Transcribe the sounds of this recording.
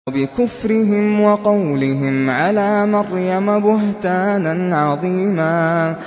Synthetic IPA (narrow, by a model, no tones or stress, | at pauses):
bɪkʊfɾɪɦɪmwɑqɑwlɪɦɪmʕalaːmɑɾˤjamabʊɦt̪aːnanʕɑðˤiːmaː